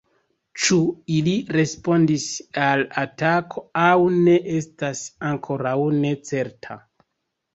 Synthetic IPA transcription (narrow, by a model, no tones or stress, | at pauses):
t͡ʃuiliɾe̞spo̞ndisalatakʰo̞awne̞ʔe̞stasaŋkʰo̞ɾawne̞t͡se̞ɾtʰa̰